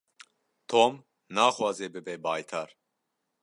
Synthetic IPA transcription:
t̪ʰoːm | naːxwɑːzeːbɨbeːbaːjt̪ʰaɾ

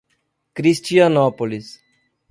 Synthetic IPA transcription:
kɾist͡ʃijanɔpolis

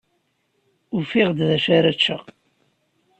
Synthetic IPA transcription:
ʊfiʁd̪ðæʃæɾæt͡ʃːəʁ

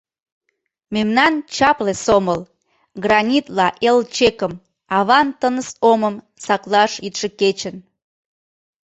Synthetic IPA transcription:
memnɑnt͡ɕɑplesoməl | ɡrɑnʲit̪lɑʔelt͡ɕekəm | ɑβɑnt̪ənəsoməm | sɑklɑʃit̪ʃeket͡ɕən

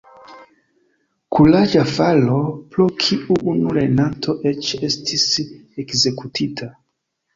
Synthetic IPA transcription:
kʰulad͡ʒafaloplokʰiʔuʔunulenantʰo̞ʔe̞t͡ʃe̞stʰisekze̞kutʰitʰa

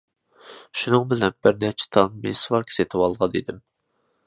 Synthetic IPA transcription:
ʃunɨŋbɪlɛnbɪɾnɛt͡ʃʰɛ̥t̪ʰɑnmḛswɑɾkʲʰi̥set̪ʰɪwɑlˠʁɑd̪ḛd̪ɪm

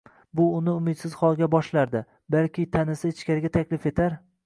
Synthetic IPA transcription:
bʊʊnɪʊmɪd̪sɪz̥χɒlˠɡʲabɒʃlaɾd̪ɪ | balkʲɪt̪ʰanɪsɪɪt͡ʃkʲaɾɪɡʲat̪ʰakʲlɪfe̞t̪ʰaɾ

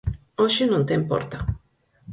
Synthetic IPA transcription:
oʃinunt̪empo̰rt̪a

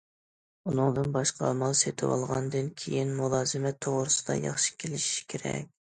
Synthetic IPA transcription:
unɨŋd̪ɨnbɑʃqʰɑmɑlˠset̪ʰɪwɑ̰lˠʁɑnd̪ɨnkʲʰejinmulˠɑːzɨmɛt̪ʰːoʁɾɨsɨd̪̥ɑ̰jɑ̰χʃi̥kʲʰelɪʃi̥kʲʰeɾɛ̰k̚ʲ

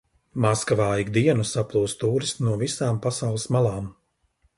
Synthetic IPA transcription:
maskavaːiɡd̪iɛnusaplˠuːst̪uːɾist̪nuɔvisaːmpasawlˠɨsmalˠɑːm

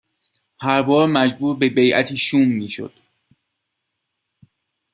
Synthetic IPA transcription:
hæɾbɒːɾmæd͡ʒbuːɾbe̞be̞jʔæ̰t̪ʰiːʃuːmːiːʃo̞̰d̪̥

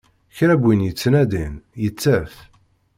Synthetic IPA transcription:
çɾæbʷːinjət͡sːnæd̪injət͡sːæf

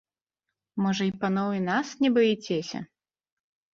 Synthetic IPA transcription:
mɔʐɐipɐnɔwɨnasnʲɛbɨjɛt͡sʲesʲɐ̰

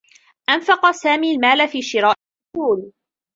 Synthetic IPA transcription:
ʔanfɑqɑsaːmiːlmaːlafiːʃɪɾaːʔɪʊsuːl

